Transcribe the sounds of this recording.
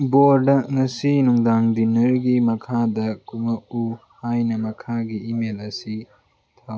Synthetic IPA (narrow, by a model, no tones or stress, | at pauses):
boɾdɐŋɐsinuŋdaŋdinɐɾɡimɐkʰadɐkumɐʔuhajnɐmɐkʰaɡiːmelɐsi | t̪ʰaw